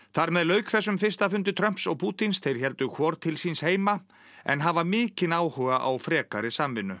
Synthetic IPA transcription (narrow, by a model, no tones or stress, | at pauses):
θaɾmɛðlœːɥkʰθɛsːʏmfɪr̥st̪afʏnt̪ɪt̪ʰɾœm̥psɔɣpʰuːt̪inst̪ʰejɾ̥çɛlt̪ʏkʰvɔɾt̪ʰɪlsinsheːjma | ɛ̰nɦaːvamɪːcɪnaːwhœɣaʔa̰wfɾɛːkaɾɪsamvɪnːʏ